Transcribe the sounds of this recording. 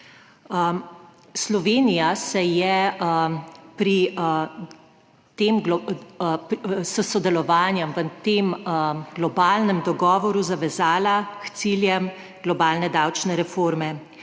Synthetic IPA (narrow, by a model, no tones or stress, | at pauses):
slɔʋeːnijasɛjɛ | pɾi | t̪eːmɡ | səsɔd̪ɛlɔʋaːnjɛmʋət̪eːmɡ̥lɔbaːlnɛmd̪ɔɡɔːʋɔɾuzaʋɛzaːlakt̪siljɛm | ɡ̥lɔbaːlnɛd̪awt͡ʃnɛɾɛfoɾmɛ